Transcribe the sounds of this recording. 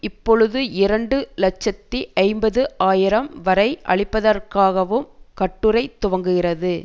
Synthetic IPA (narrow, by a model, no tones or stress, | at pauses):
ɪpːɔɻɯðɯɪɾɐɳɖɯlɐt͡ʃːɐt̪ːiʔɐɪmbɐðɯʔaːjɪɾɐmʋɐɾɐɪʔɐ̰ɭɪpːɐðɐrkaːɣɐʋɯmkɐʈːɯɾɐɪt̪ːʊʋɐŋɡɯɣɪrɐðɯ